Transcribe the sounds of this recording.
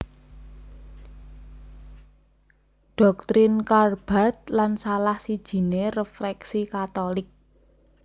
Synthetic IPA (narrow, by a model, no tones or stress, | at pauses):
ɖ̥ɔ̤k̚t̪ɾɪnkarb̥at̪̚lansalahsid̥ʒ̥i̤nerəfɾɛksikat̪olɪk̚